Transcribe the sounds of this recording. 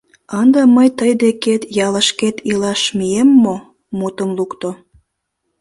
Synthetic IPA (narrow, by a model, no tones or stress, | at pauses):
ɑnd̪ɑməjt̪əjd̪eket̪jɑləʃket̪ilɑʃmiemːo | mut̪əmlukt̪o